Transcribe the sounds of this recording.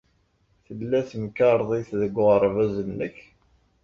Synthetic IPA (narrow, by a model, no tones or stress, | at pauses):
θəlːæθəmkɑɾˤðˤiθðəɡəɾˤvæzənːəç